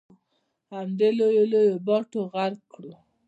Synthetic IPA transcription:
hamd̪elojolojobɔʈoɣaɾkɽo

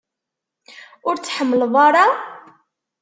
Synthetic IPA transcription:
ʊɾt͡sːħəmːəlðˤɑɾˤɑ

